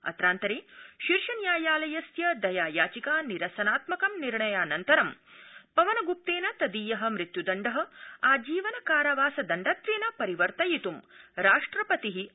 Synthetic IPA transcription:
ɐ̰t̪ɾaːnt̪ɐɾeːʃiɾʃɐnjaːjaːlɐjɐsjɐd̪ɐjaːjaːt͡ʃikaːniɾɐsɐnaːt̪mɐkɐmniɾɳɐjaːnɐnt̪ɐɾɐmpɐʋɐnɐɡup̚t̪eːnɐt̪ɐd̪iːjɐɦɐ̆mɾit̪jud̪ɐɳɖɐɦɐ̆aːd͡ʒiːʋɐnɐkaːɾɐʋaːsɐd̪ɐɳɖaːt̪ɾeːnɐpɐɾiʋɐɾt̪ɐjit̪umɾaːʂʈɾɐpɐt̪iɦi

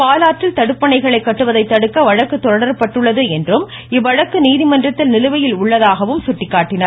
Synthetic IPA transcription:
paːlaːʈːɪlt̪ɐɽɯpːɐɳɐɪɣɐɭɐɪkːɐʈːɯʋɐðɐɪt̪ːɐɽɯkːɐʋɐɻɐkːɯt̪ːɔɽɐɽɐɾɐpːɐʈːɯɭːɐðɯɛndrɯm | ɪʋːɐɻɐkːɯniːðɪmɐndrɐt̪ːɪlnɪlɯʋɐjɪlʊɭːɐðaːɣɐʋɯmsʊʈːɪkːaːʈːɪnɐɾ

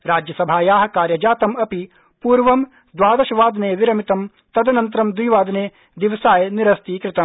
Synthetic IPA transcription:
ɾaːd͡ʒjɐsɐbʱaːjaːɦɐkaːɾjɐd͡ʒaːt̪ɐmɐpi | puːɾʋɐm | d̪ʋaːd̪ɐʃɐʋaːd̪neːʋiɾɐmit̪ɐm | t̪ɐd̪ɐnɐnt̪ɾɐmd̪ijʋaːd̪neː | d̪iʋɐsaːjniɾɐst̪iːkɾɪt̪ɐm

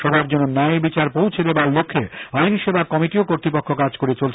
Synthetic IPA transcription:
ʃɔbʱab̚d͡ʑononːajbit͡ɕaɾpowt͡ɕʰed̪ebalːokʰːeajniʃebakɔmiʈiokoɾt̪ɾipokʰːokad͡ʑkoɾet͡ɕolt͡ɕʰ

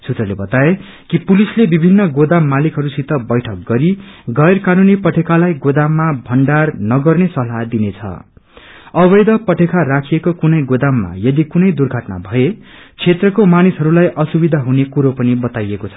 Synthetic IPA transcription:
t͡sʰut̪rʌlebʌt̪ae | kipulislebibʱinːʌɡod̪amːalikɦʌɾusit̪ʌbʌjʈʰʌk̚ɡʌɾiɡʌjrkanunipʌʈʰekalajɡod̪amːabʱʌɳɖarnʌɡʌrnesʌlɦad̪inet͡sʰʌ̰ | ʌbʌjd̪ʌpʌʈʰekarakʰijekokunʌjɡod̪amːa̰jʌd̪ikunʌjd̪urɡʱʌʈna̰bʱʌet͡sʰet̪rʌkomanisɦʌɾulajʔʌsubid̪ʱaɦunekuɾopʌnibʌt̪ajekot͡sʰʌ̥

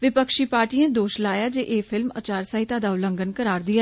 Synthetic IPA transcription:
ʋɪpəkʃiːpaːɾʈiːjẽːd̪oːʃlaːjaːd͡ʒeːʔeːfʰɪlmə̰t͡ʃaːɾsaːɦit̪aːd̪aːʊlə̃ŋɡənkəɾaːɾd̪ɪja

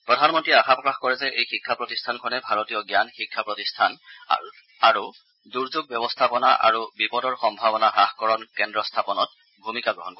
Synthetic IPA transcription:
pɹɔdʱanmɔntɹiɛaxapɔkaxkɔɹɛzɛʔejxikʰːapɹɔtistʰankʰɔnɛbʱaɹɔtijɔɡjanxikʰːapɹɔtistʰana̰ | aɹu | duɹzuɡ̚bjɔbɔstʰapɔnaʔa̰ɹubipɔdɔɹxɔmbʱabɔnaɦaxkɔɹɔnkɛndɹɔstʰapɔnɔt̚ | bʱumikaɡɹɔ̰ɦɔnkɔ

